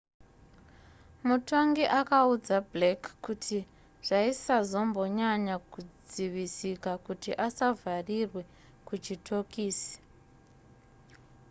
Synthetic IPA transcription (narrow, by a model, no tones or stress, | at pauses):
muto̞ŋɡiʔakaud͡zablekːutʰi | ʐ̥aisazo̞mbo̞ɲaɲakud͡ziʋisikakutiʔasavʱarirwe̞ | kut͡ʃitʰo̞kiːsi̥